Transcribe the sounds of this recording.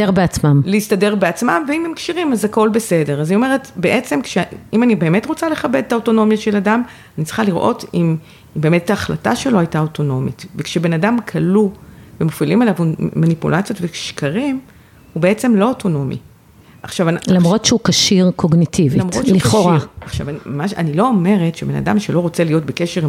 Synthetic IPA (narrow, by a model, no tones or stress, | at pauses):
eʁbeat͡smamleistade̞ʁbeat͡smamveimemkʃiʁimazako̞lbese̞deʁazaniome̞ʁetbeʔe̞t͡se̞mkʃeimanibe̞ːme̞tʁot͡sale̞χabe̞d̚tao̞to̞no̞mjaʃe̞ladam | anitt͡si̥χaliʁʔo̞̰tim | mbe̞ːmetːaːχla̰ta̰ʃe̞loajtao̞to̞no̞mitvekʃebe̞nadamkʰaluvemofilimelavmanipṵlʔat͡sjo̞tvekʃkaʁim | hube̞et͡se̞mlo̞oto̞no̞mḭ | ʔaχʃavnlamʁotʃeukaʃiʁkʰoɡnitʰivilmʁolioʁaaχʃa̰vaniamaʃanilo̞ːme̞ʁe̞tʃebe̞na̰damʃelo̞ʁo̞t͡selijo̞tbe̞keʃe̞ʁ